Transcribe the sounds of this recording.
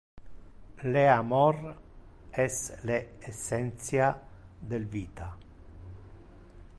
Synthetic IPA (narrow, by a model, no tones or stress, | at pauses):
leamɔr | ɛsleːsːɛnt̪sjad̪elviːt̪a